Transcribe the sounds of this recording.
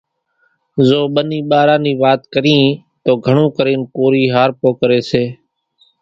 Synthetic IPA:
zoːɓəniːɓaːɾãːniːʋaːt̪kəɾĩːt̪oːɡʱəɳõːkəɾeːnkoːɾiːɦaːɾpoːkəɾeːseː

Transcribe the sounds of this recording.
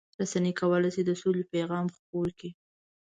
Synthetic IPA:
ɾasanikawəlajsed̪əsolepajɣɑmxpoki

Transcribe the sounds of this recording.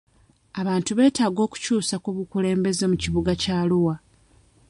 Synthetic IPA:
aβaːntuβe̞ːtaːɡo̞ːku̥cuːsakuβukule̞ːmbe̞ze̞muciβuɡacaːluwa

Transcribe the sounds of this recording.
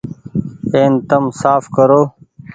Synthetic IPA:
eːnt̪ɐmsaːfkəɾoː

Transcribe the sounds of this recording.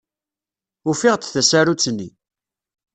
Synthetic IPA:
ufɪʁt͡sθæsaɾut͡sːnːḭ

